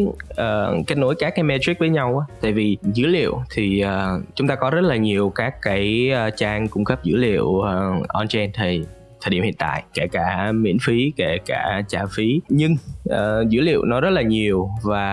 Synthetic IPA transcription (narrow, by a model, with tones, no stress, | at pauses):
ʔəː˨˩ka˦˥t̚no˧˦jkaː˦˥kːaː˨˦jmɛ˧t̪i˦˥k̚vəː˨˦jɲa˧wʔaː˨˦t̪a̰ː˧˨jvi˨˩zɨ̰˧˥lḭ˧˨əwt̪ʰi˨˩ʔəː˨˩t͡ɕʊ˨˦ŋ͡mt̪aː˧kɔ˨˦zə˦˥t̚laː˨˩ɲi˨˩əwkaː˦˥kːaː˨˦jːt͡ɕaː˧ŋkʊ˧ŋ͡mkə˦˥p̚zɨ̰˧˥lḭ˧˨əwə˧˩ʔɔ˧nt͡ɕɛ˧nt̪ʰə˨˩j | t̪ʰəː˨˩ɗi˧˩˨hḭ˧˨ənt̪a̰ː˧˨jke˧˩kaː˧˩mḭ˧˥ənfi˨˦ke˧˩kaː˧˩t͡ɕaː˧˩fi˨˦ɲɨ˧ŋʔəː˨˩zɨ̰˧˥lḭ˧˨əwnɔ˨˦zə˦˥laː˨˩ɲi˨˩əwvaː˨˩